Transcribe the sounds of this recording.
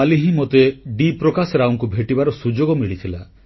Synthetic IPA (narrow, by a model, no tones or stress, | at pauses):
aliɦĩmot̪eɖipɾɔkasɔɾawɔŋkubʱeʈibaɾɔsud͡ʒoɡɔmiɭit̪ʰila